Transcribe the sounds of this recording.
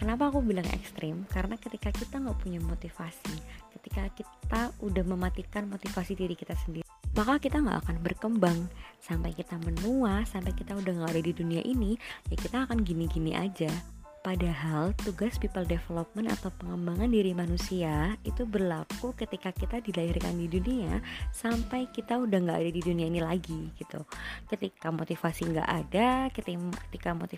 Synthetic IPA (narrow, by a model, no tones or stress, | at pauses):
kənap̬aːkubilaŋɛ̰kst̪ɾɪmkaɾənakət̪ikakit̪aŋɡaʔpuɲamot̪ifasikət̪ikakit̪audahməmat̪ikanmot̪ifasidiɾikit̪asəndiɾimakakit̪aŋɡa̰ʔa̰kanbərkəmbaŋsampajkit̪amənuasampajkit̪audahŋɡaudahdiduniaʔinijakit̪aːkanɡiniɡiniʔa̰d͡ʒa | padaɦalt̪uɡaspipəldefelop̚məna̰t̪awpəŋəmbaŋandiɾimanusiaḭt̪ubərlakukət̪ikakit̪adilaɦɪrka̰ndiduniasampajkit̪audahŋɡaʔːdadiduniainilaɡiɡ̥it̪ṵkət̪ikamot̪ifasiŋɡa̰ʔadakət̪kə̥t̪ikamo̰t̪i